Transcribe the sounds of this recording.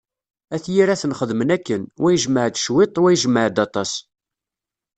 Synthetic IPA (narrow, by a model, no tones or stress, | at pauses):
æθjiɾæθənχəðmənækːənwæjəʒməʕd̪ʃwɪt̪ˤwæjəʒməʕd̪ɑt̪ˤɑs